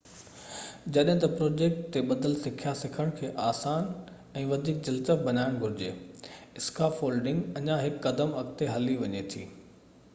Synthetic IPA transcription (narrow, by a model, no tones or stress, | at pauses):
d͡ʑɐɗɦɪ̃t̪ɐpɾoːd͡ʑeːk̚ʈ̚t̪eɓɐd̪əlsɪkʰijasɪkʰəɽ̃kʰeːʔaːsaːn | ɛ̃ːʋɐd̪ʱiːk̚d͡ʑɐlt̪əbɐnaːɪɽ̃ɡʱʊɾɪd͡ʑeːɪskaːfoːlɖɪ̃ŋɡɐɲãɦɪkːɐd̪əmɐk̚t̪eɦɐliʋɐɲet̪ʰḭː